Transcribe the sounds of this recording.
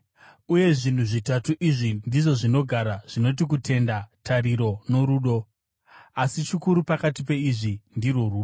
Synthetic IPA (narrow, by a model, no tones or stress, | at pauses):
uje̞ʐin̤uʐitatuʔiʐindiʐo̞ʐino̞ɡʱaɾaʐ̥ino̞t̬ik̬utʰe̞ndatʰariɾo̞no̞ɾuːɗo̞ | asit͡ʃikuɾupakatipe̞iʐindiroruːo